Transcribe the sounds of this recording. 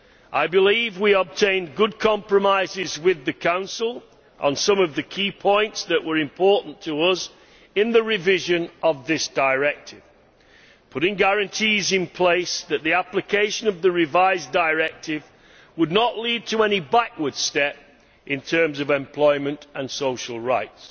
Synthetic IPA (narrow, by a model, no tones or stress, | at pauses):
ʔaɪbɨlivwiəb̚tʰẽɪ̃nɡʊd̚kʰɑ̃mpɹɨmaɪzɪzwɪðɨkʰãʊ̃nsəl̩ˠ | ʔə̃nsʌ̃mʌvðɨkʰipʰɔ̃ɪ̃ntsðɨʔwʔə˞ɨ̃mpʰɔɹʔn̩tʰəʌz | ɪ̃nðɨɹɪvɪʒɨ̃nʌvðɪsd̥əɪɹɛk̚tʰɪv̥ | pʰʊɾɪ̃ŋɡæɹɨ̃ntʰizɪ̃npʰl̥eɪsðɨt̪̚ðiaplɨkʰeɪʃɨ̃nʌvðɨɹɪvaɪzdəɪɹɛk̚tʰɪv | wədⁿnəʔlid̚tʰəɛnibakwə˞d̥stɛp̚ | ʔɪ̃ntʰɜ̃˞mzʌvɛ̃mpʰl̥ɔɪmɨ̃ntə̃nsoʊʃl̩ˠɹaɪts